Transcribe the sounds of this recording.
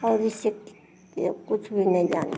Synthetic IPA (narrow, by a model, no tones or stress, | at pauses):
ɔːɾisik | kʊt͡ʃʰbʱinɐ̃ĩd͡ʒaːn̰